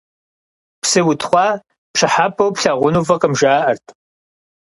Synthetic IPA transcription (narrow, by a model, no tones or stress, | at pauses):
psɨwʊtʰχʷɑː | pʂɐħaːpʰʼɐwpɬaːʁʷʊnuvɐqʼɐmʒaːʔɐrtʼʰ